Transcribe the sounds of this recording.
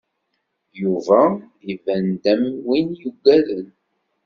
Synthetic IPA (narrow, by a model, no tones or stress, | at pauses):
juvæ | ivænd̪æmwinjuɡːæðən